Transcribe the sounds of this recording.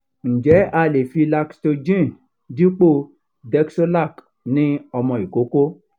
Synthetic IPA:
n̩˨d͡ʒɛ˨˦a˧le˨fi˧la˧ksto˧d͡ʒĩ˦˨ | di˦k͡po˦ | dɛ˦kso˦la˦˨k | nĩ˦ɔ˧mɔ̃˧i˨ko˨˦ko˦

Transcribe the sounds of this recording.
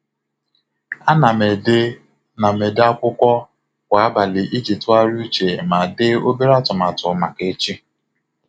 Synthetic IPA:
a˦na˨me˨de˦ | na˨me˨da˦kʷʊ˦kʷɔ˦ | kʷa˨a˦ba˨lɪ˨ʔi˦d͡ʒi˨ta˦ɾu˦t͡ʃe˨ma˨dɪ˦o˦be˦ɾa˦tʊ˨ma˨tʊ˨˦ma˨ke˦t͡ʃi˦

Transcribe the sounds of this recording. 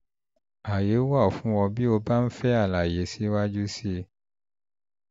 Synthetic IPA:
a˨je˨˦wa˦˨fũ˨˦wɔ̃˧bi˦o˧ba˦n̩˦fɛ˦a˦˨la˨je˨˦si˦wa˦d͡ʒu˦si˦

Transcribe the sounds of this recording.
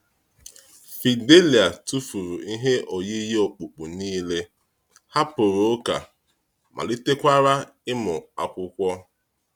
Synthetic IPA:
fi˨de˦li˨a˨tu˦fu˨ɾu˨i˦ɦe˦ʔo˨ji˦je˦o˨k͡pu˨k͡pu˨niː˦le˦ | ha˦pʊ˨ɾo˨o˦ka̰˨ | mʔa̰˨li˦te˦kʷa˦ɾa˦ | ɪ˦mʊ˨a̰˨kʷʊ˦kʷɔ˦

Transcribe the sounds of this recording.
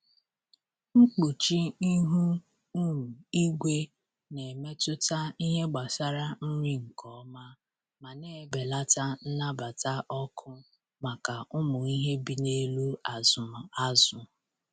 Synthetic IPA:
ŋ͡m̩˦k͡pu˨t͡ʃi˦i˦ɦu˦ | u˦u˨i˦ɡʷe˦ | ne˨me˦tʊ˦ta˦i˦ɦe˦ɡ͡ba˨sa˦ɾa˦n̩˦ɲi˦ŋ̩˨kʰɔ˨˦ma˦ | ma˨ne˦˨be˨la˦ta˦n̩˦na˦ba˨ta˦ʔɔ˦kʰʊ˦ | ma˨ka˨ʊ˦mʊ˨i˦ɦe˦bi˨ne˦lu˦a˨zʊ˨mʊ˨a˦zʊ˨

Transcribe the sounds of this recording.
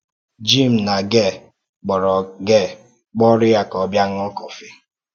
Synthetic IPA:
d͡ʒi˦˨m̩˨na˨ɡɛ˦˨ | k͡pɔ˨ɾɔ˨ɡɛ˦˨ | k͡pɔ˦ɾɪ˦ja˦kɔ˨˦bja˦ŋ̩˦ɔ˦kɔ˨fi˦

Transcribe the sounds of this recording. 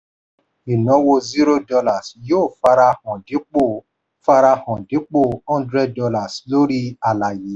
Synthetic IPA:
i˨nɔ̃˨˦wo˧zi˦ɾo˦dɔ˧la˦˨sjoː˦˨fa˧ɾa˧hɔ̃˨dĩ˨˦k͡po˦˨ | fa˧ɾa˧hɔ̃˨dĩ˨˦k͡po˦˨ɔ̃˦ndɾɛ˦ddɔ˧la˨slo˦ɾi˦a˨la˨ji˨˦

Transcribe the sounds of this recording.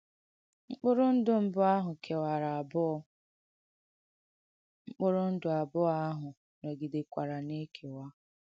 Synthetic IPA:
ŋ͡m̩˦k͡pʊ˦ɾʊ˦n̩˦dʊ˦m̩˦bʊ˦a˦ɦʊ˨kʰe˨wa˨ɾa˨b | ŋ͡m̩˦k͡pʊ˦ɾʊ˦n̩˦dʊ˨a˨bʊ˦a˦ɦʊ˨ | ne˨ɡi˨de˨kʷa˨ɾa˨ne˦kʰe˨wa˦

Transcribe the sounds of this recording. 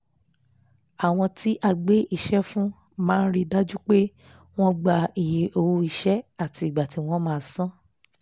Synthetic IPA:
a˨w̃ɔ̃˧ti˦ʔa˧ɡ͡be˦ʔi˨ʃɛ˦fũ˦ | mãː˦n̩˦ɾi˦da˦d͡ʒu˦k͡pe˦ | w̃ɔ̃˦ɡ͡ba˨i˨je˨ʔo˨wo˧i˨ʃɛ˦a˦˨ti˧˨ɡ͡ba˨ti˨˦w̃ɔ̃˦mãː˦˨˦sã˦

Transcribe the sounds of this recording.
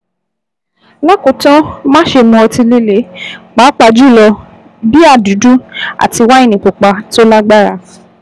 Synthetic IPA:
la˦kõ˨˦tã˦mãː˦ʃe˧mũ˧ɔ˧tĩ˧le˦le˨˦ɡ͡ba˨˦k͡pa˧d͡ʒu˦˨lɔ˧ | bi˦a˦˨du˨˦du˦a̰˨ti˧wa˦i˦˨nĩ˨k͡pu˨k͡pa˨˧to˦la˦ɡ͡ba˦ɾa˧˨

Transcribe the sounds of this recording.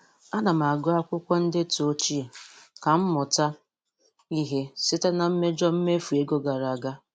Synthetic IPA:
a˦na˨m̩˨a˨ɡʊ˦a˦kʷʊ˦kʷɔ˦n̩˦dɪ˦to˦t͡ʃi˦e˨ka˨m̩˦mʊ˨ta˦ | i˦ɦe˦sɪ˦ta˦na˨m̩˦me˦d͡ʒɔ˦m̩˦me˦fu˨e˦ɡo˦ɡa˨ɾa˨a˨ɡa˦

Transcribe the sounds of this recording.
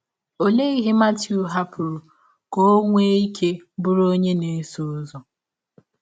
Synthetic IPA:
o˨le˦i˦ɦɪ˦ma˦tju˨ɦa˦pʊ˨ɾʊ˨ | ko˦ŋʷe˦i˦kʰe˦bʊ˦ɾo˦ɲe˦ne˨˦so˦zɔ˨

